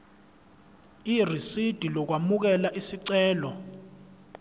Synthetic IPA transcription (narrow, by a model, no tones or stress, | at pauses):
irisid̥ʱilɔk̬wamuk̬ɛlaʔisiǀɛːlɔ